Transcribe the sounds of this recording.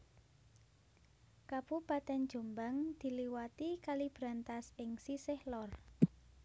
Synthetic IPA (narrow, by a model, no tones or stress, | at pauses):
kabupat̪ɛn̥d͡ʒ̥o̤mbaŋd̪̥i̤liwat̪ikalib̥ɾa̤nt̪asɪŋsisɪhlɔr